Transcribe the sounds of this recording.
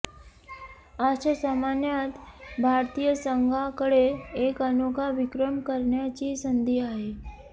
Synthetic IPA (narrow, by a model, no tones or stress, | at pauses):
aɕəsamanjat̪bʱaɾt̪ijəsəŋɡʱakəɽeːkənokaʋɪkɾəmkəɾɳjat͡ɕisənd̪ʱiaɦe